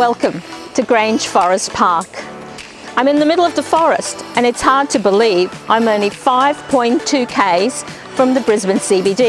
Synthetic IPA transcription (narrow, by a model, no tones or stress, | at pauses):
wɛlˠkɨ̃mtʰɨɡɹẽɪ̃n̥ʒ̥fɔɹɨspʰɑɹk | ãɪ̃mɨ̃nðəmɪɾl̩ˠʌvðəfɔɹɨ̰stɨ̃nɨtshɑɹd̚tʰɨbəlivʔã̰ɪ̃mõʊ̃nlifaɪv̥pʰɔ̃ɪ̃ntʰʉkʰeɪz̥ | fɹʌ̃mðɨbɹɪzbɨ̃nsibidi